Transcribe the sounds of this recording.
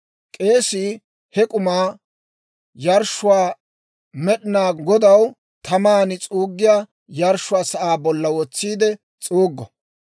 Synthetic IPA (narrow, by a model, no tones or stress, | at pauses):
kʼe̞ːsi | hɛkʼʊmaː | jɐɾʃːʊwaː | mɛɗɪnaːɡɔd̪ɐw | t̪ʰɐmaːnɪt͡sʼuːɡːɪjaː | jɐɾʃːʊaːsɐʔaːbɔlːɐwɔt͡sːiːd̪ɛ | t͡sʼuːɡːɔ